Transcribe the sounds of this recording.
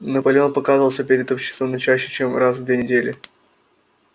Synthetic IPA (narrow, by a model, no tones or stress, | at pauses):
nəpəlʲɪo̞npɐkazəvəlˠsʲəpʲɪɾʲɪd̪opɕːɪ̥st̪vəmnɐt͡ɕæɕːɪ̥t͡ɕemrazvd̪vʲenʲɪdʲelʲɪ̰